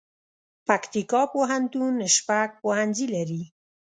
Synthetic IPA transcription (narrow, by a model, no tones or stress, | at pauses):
pakt̪ikɑpoɦant̪unəʃpak̚pohanzilaɾi